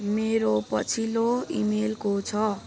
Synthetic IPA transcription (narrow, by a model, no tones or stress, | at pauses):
meɾopʌt͡sʰiloḭmelkot͡sʰʌ